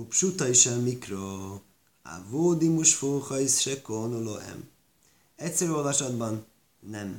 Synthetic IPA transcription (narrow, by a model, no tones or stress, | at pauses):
upʃut̪ɒiʃɛlmikro | a̰voːd̪imuʃfuχɒjsʃɛkoːnuloɛ̰m | ɛtʲsɛɾøːolvɒʃɒd̪bɒnː | ɛm